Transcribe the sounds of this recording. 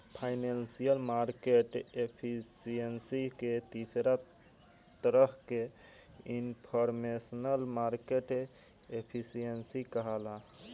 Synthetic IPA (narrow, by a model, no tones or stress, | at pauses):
pʰaɪnensijəlmaɾkeʈepʰisijənsiket̪isɾa | t̪əɾəkʰke | inpʰəɾmesnəlmaɾkeʈ | epʰisijənsikəɦala